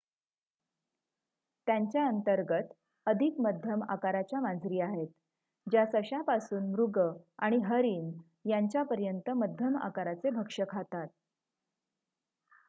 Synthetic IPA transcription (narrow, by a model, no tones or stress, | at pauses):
t̪jaɲt͡ɕjaənt̪əɾɡət̪ | əd̪ʱikməd̪ʱjəma̰kaɾat͡ɕjamand͡zʱɾiːaɦet̪̚ | d͡ʑjasəɕapasuːnmɾuɡəaɽ̃iɦəɾiːn | jaɲt͡ɕjapəɾjənt̪əməd̪ʱjəma̰kaɾat͡sebʱəkʂəkʰat̪at̪̚